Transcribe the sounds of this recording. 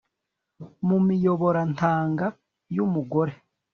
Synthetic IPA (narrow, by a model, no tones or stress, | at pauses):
mumijoβo̞ɾantaːŋɡa | jumuɡo̞ɾe